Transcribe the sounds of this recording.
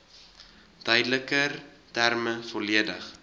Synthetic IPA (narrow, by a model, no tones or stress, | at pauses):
d̥œjdələkər | tærməfɔliədəχ